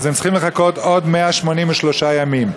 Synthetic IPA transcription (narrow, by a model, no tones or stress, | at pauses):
zemt͡ssi̥χimleχako̞t̪o̞d̪meaʃmo̞nimveʃlo̞ʃajamim